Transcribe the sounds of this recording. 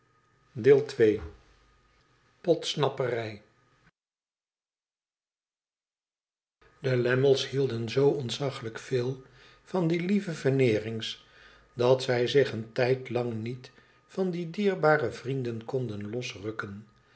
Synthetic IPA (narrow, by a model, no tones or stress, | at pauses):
deːlˠtʋej | pɔtsnɑpərɛj | dəlɛməlˠshilˠdənzowɔntsɑχələkfɪːlˠ | v̥ɑndilivəvəɹnɪːrɪŋs | dɑtsɛjzɪχəntɛjtlɑŋnit | fɑndidiːɹbaːrəvrindənkɔndənlɔsrɵkən